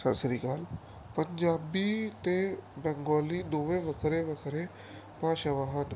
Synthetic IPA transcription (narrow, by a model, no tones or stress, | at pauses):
səɾsɾiːkaːl | pəɲd͡ʒaːbiːt̪ebɛ̃ːŋɡɔːliːd̪oːʋẽːʋəkʰɾeːʋəkʰɾeː | pãːt͡ʃəʋaːɦən